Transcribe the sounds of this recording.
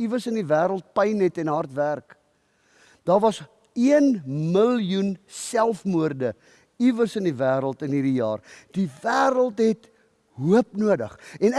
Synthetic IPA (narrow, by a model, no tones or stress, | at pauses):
ivərsəndivæːɾəlˠt̚pəjnɛtɛnɦɐrtværk | d̥ɑːrvɐs | iənməlijunsælˠfmuərdə | ivərsəndivæːɾəlˠtənɦiːɾijɑːrd̥ivæːɾəlˠtɦɛt | ɦuəpnuədə̰χɛn